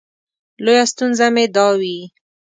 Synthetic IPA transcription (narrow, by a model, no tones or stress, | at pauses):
lojast̪unzamed̪ɑwi